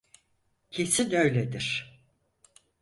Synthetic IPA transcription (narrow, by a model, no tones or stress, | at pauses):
cʰe̞sinø̞jlʲed̪iɾ̥